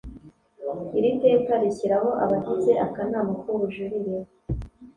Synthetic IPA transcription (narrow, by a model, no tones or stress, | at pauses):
iɾitekaɾiciɾaɦo̞ʔa̰βadize̞ʔakanaːmukuɾuʒuɾiɾe